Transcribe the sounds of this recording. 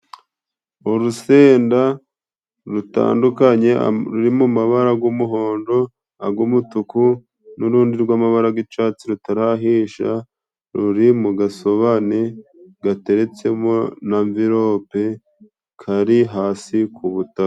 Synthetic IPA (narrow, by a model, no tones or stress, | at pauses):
uɾuseːnda | ɾuta̰ːndukaɲe̞̰ɾuɾimumaβaɾaɡumuɦo̞ːndo̞ | aɡumutuku | nuɾuːndiɾɡwaːmaβaɾaɡit͡ʃaːt͡siɾutaɾaɦiːʃa̰ | ɾuɾimuɡaso̞βaneɡate̞ɾe̞t͡se̞monaɱviɾo̞pe | kʰaɾiɦaːsikʰuβutak